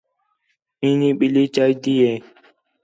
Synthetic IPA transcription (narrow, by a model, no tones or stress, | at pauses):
ĩːnĩːɓɪliːt͡ʃaːid̪iːeː